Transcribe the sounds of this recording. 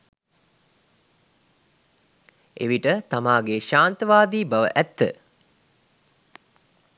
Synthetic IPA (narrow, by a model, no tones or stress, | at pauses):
ʔḛʋiʈət̪amaːɡeʃaːnt̪əʋaːd̪iːbɐʋə̰ʔæt̪ːə̰